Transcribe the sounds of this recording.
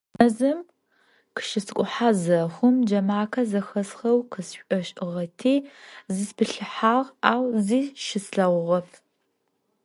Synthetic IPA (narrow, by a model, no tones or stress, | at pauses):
ʔɐzɐm | qɨ̥ʃɪsɨkʷʼʊħaːzɐxʷʊmd͡ʒɐmaːkʰɐzɐxɐsxɐwqʰɨsɕʷʼɔɕʼɨʁɐtʰiːzɨspɨɬɨħaːʁaːwziːʃɪsɬɐʁʷʊʁɐf